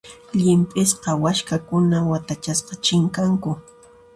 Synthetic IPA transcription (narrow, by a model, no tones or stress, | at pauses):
ʎɪmpʼɪsqɑwaʃkakʊnawat̪at͡ʃasqɑt͡ʃɪŋkaŋkʊ